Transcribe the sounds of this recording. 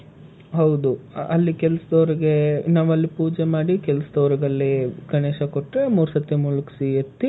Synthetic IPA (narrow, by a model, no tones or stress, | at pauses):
ɦɐwd̪uɐlːikɛlɐsɐd̪ɔːɾiɡenaːʋɐlːipuːd͡ʒemaːɽikɛlɐsɐd̪ɔːɾɐɡɐlːikɐɳeːʃɐkoʈːɾe̞muːɾsɐt̪ːemuːlɐki̥siet̪ːi